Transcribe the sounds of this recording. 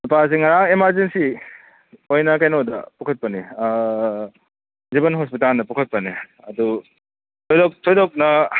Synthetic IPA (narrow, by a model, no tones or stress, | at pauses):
upas̬iŋɐɾaŋemaɾzensi | ojnɐkajnodɐ̰pukʰɐt̚pɐni | zibɐnɦospitaldɐpukʰɐt̚pɐni | ɐdu | tʰojdɔk̚tʰojdɔk̚nɐ